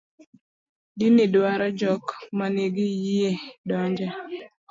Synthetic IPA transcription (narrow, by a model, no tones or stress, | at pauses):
dinidwaɾɔd͡ʒɔkmaneɡɪjiedɔɲd͡ʒa